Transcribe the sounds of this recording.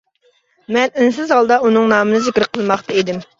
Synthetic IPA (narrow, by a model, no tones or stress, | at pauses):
mɛnɪns̬ɪzhɑlˠd̪ɑunɨŋnɑːmɨnɨzɪkʲɾqʰəlˠmɑχt̪ʰɑid̪ɪm